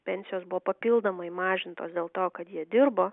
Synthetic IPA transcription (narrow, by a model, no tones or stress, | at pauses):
pʲɛnʲsʲɪjoːsbʊʋoːpɐpʲɪlˠd̪oːmɐɪmɑːʒʲɪnt̪oːsd̪ʲeːlˠt̪oːkɐt̪jiɛd̪ʲɪɾboː